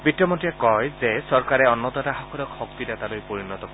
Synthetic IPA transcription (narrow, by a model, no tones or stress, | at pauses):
bitːjɔmɔtijakɔjzesɔɾkaɾeɔnːɔd̪ɔtaɦakʰɔɾɔkhɔk̚t̪id̪at̪alojpɔɾinɔt̪ɔkɔ